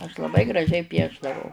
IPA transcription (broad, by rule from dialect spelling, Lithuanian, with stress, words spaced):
ɐʃ lˠɐˈbɐɪ ɡrɐˈʒʲɛɪ ˈpʲiɛʒdɐʋɐʊ